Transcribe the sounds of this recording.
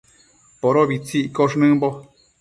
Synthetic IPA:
poɾoβit͡siʔkoʂ̬nɨ̃mbo

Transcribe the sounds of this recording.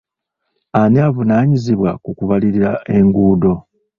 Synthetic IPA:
aneavunaːɲiziβwakukuβaliɾiɾaʔe̞ŋɡuːdo̞

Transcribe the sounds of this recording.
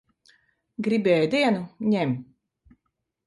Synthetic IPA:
ɡɾibʲɛːjd̪iɛnuɲɛmʲ

